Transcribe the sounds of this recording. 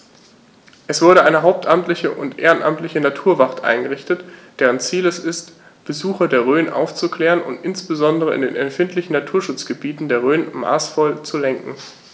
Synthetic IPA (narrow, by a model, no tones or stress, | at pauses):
ʔɛsv̥ʊɐɾəʔaɪnəɦaʊp̚tʔamtlɪçəʔʊntʔeːʁənʔa̰mtlɪçənatʰuːɐvaʁtʔa̰ɪnɡəʁ̞ɪçtətd̥ɛːʁ̞ənt͡siːlɛsɪst | b̥əzuːxɐdeːɐʁ̞øːnʔa̰ʊft͡sukl̥ɛːʁənʊ̰ntʔɪnsb̥əzɔndəʁəɪ̰ndḛːnɛmfɪntʰlɪçn̩natʰuːɐʃʊt͡sɡ̥əbiːtn̩deːɐʁ̞øːnma̰ːsfɔlt͡sulɛŋkŋ̩